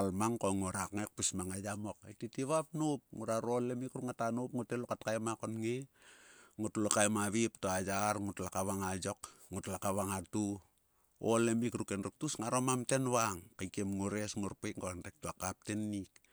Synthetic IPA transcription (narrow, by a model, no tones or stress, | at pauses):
almaŋkoŋuɾakŋek̚pismaŋajamo̞ketitiβap̚nup̚ŋuɾaɾolemikɾukŋatanupŋutelokatkajmakonŋi | ŋutlokajmaβip̚toajaɾŋutlakaβaŋajo̞kŋutlakaβaŋatu | o̰lemikɾukenruk̚tusŋaɾomamte̞nβaŋkajkemŋuɾesŋuɾpejkŋɡoanɾek̚tuakap̚tenːik